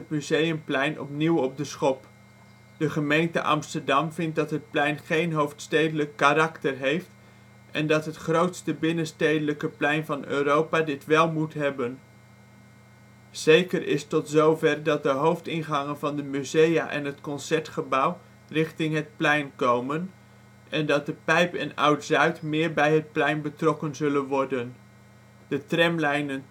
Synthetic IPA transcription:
ətmyzejəmplɛjnʔɔ̰pniwɔp̚dəsχɔp | d̥əχəmejntə̰ʔɑ̰mstəɹdɑmvɪnt̚dɑtɦət̚plɛjnχejnɦowftstejdələkːarɑktərɦejft | ɛndɑtɦətχrowtstəbɪnənstejdələkəplɛjnvɑnø̰ːrowpaːdɪtʋɛlˠmutɦɛbən | z̥ejkərʔɪstɔtzowvɛrdɑt̚dəɦowftɪnχɑŋənvɑndəmyzeja̰ʔɛ̰nɦətkɔnsɛɹtχəbɑw | rɪχtɪŋɦət̚plɛjnkowmən | ɛndɑt̚dəpɛjpɛ̰nʌ̰wtzœɥtmɪːɹbɛjɦət̚plɛjnbətrɔkənzɵlənʋɔɹdən | d̥ətrɛmlɛjnən

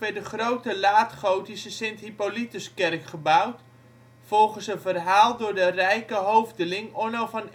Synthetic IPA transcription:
ʋɛdəχrowtəlaːtχowtisəsɛnthipolitəskɛrkχəbawt | fɔlˠχənsənvərɦaːlˠdʊːɹdərɛjkəɦowvdəlɪŋonɔlˠfɔn

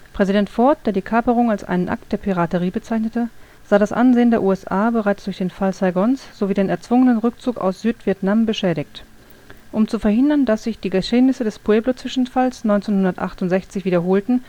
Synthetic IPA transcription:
pʁ̥ɛzidɛntfɔɐt̚d̥eːɐdiːkʰaːpəʁ̞ʊŋalsʔa̰ɪnənʔa̰k̚t̚d̥eːɐpʰiʁatəʁ̞iːbət͡saɪçnətə | z̥aːɾasʔa̰nzeːəndeːɐʔuːɛsʔaːbəʁaɪt͡sd̥ʊɐçd̥eːnfalsaɪɡɔnsz̥oviːdeːnɛɐt͡sv̥ʊŋənənʁʏk̚t͡suːka̰ʊsz̥yːtv̥iɐtnambəʃɛːɾɪçt | ʔʊmt͡sufɛɐhɦɪndɐndasz̥ɪçd̥iːɡəʃeːnɪsədɛspueːblot͡sv̥ɪʃn̩falsnɔʏnt͡seːnhʊndɐtʔa̰χtʊntz̥ɛçt͡sɪçv̥iːdɐɦoːltn̩

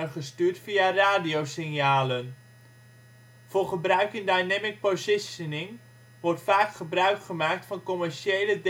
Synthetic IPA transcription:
χəstyːrtfiaraːdiowsɪnjaːlən | voːrχəbrœɥkɪndajnɛmɪk̚pozɪsənɪŋ | ʋɔrtfaːkχəbrœɥkχəmaːk̚tfɑnkɔmɛrʃejləd

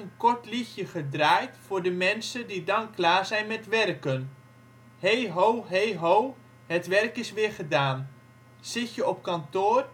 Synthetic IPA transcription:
ənkɔɹtlixjəχədraːjtfʊːɹdəmɛnsədidɑnklaːɹzɛjnmɛtʋɛrkən | hejɦowɦejɦow | ɦətʋɛrkɪsʋɪːɹχədaːn | sɪtjəɔp̚kɑntoːr

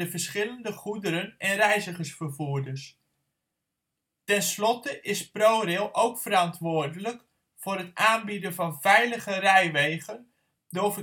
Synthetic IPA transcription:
əvəɹsχɪləndəχudəɾənɛnrɛjzəχəsfərvuədərs | tɛnslɔtəʔɪsprowɾɪlˠʔowkfəɾɑntʋoːrdələk | fʊrɦətaːnbidənvɑnvɛjləχərɛjʋejɣən | dovə

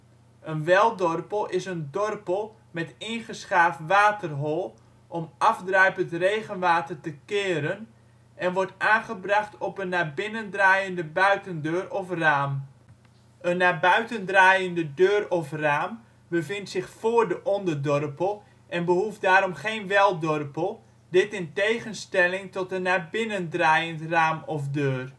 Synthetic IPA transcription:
ənʋɛlˠdɔrpəlˠɪsəndɔrpəlˠ | mɛtɪnχəsχaːfʋaːtərɦɔlˠ | ʔɔmɑvdrœjpəntrejɣənʋaːtərtəkɪːɾən | ʔɛnʋɔrtaːnχəbrɑχtʰɔpənːaːbɪnəndraːjəndəbœɥtəndøːrɔfraːm | ənːaːbœɥtəndraːjəndədøːrɔfraːm | bəvɪntsɪχfoːrdəʔɔndərdɔrpəlˠ | ʔɛnbəɦufdaːɾɔmχeːnʋɛlˠdɔrpəlˠ | dɪtɪntejχənstɛlɪŋtɔtənːaːbɪnəndrajəntraːmɔfdøːr

